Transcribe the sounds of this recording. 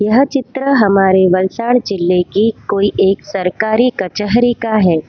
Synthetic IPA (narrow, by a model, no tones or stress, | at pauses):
jɐɦt͡ʃɪt̪ɾəɦɐmaːɾeʋɐlsaːɽ̃d͡ʒɪlːekikoːiʔeːksɐɾkaːɾikɐt͡ʃəɦɾikaɦɛː